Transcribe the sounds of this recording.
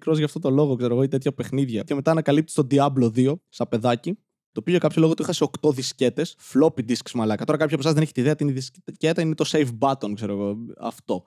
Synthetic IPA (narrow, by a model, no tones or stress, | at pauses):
kɾozʝɐft̪ot̪olo̞ɣokse̞ɾoɣoit̪et̪çɐpe̞xniðʝɐceme̞t̪ɐːnɐkɐlipt̪ist̪od̪iɐblo̞ðio̞st̪ɐpe̞ðɐci | t̪o̞piʝokɐpçolo̞ɣot̪uixɐsio̞kt̪o̞ðisce̞t̪e̞sflo̞pid̪isksmɐlɐkɐt̪oɾɐkɐpçiɐpoɐzðeneçi̥t̪iðeɐt̪iinðisccet̪ɐinet̪o̞sejfbɐt̪o̞nkse̞ɾo̞ɣo̞ɐ̰ft̪o̞